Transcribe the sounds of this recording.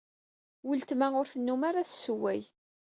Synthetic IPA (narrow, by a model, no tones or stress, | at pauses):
wəlt̪mæʊɾθənːumaɾæssːəwæj